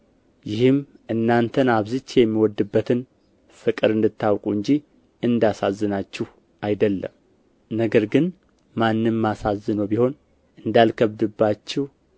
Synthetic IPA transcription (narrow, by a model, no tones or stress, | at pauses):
jɪhɨm | ʔɨnːant̪ʰənaβzɨt͡ʃːjɛmːiwɔd̪ɨbːət̪ʰɨn | fɨkʼɨɾɨnd̪ɨt̪ʰːawkʼuɨɲd͡ʒi | ɨnd̪asazːɨnat͡ʃːɛh | ʔajd̪əlːə̰m | nəɡəɾɡɨn | manːɨmːasazːɨnobiho̞n | ʔɨnd̪alkʰəβd̪ɨbːat͡ʃːɛw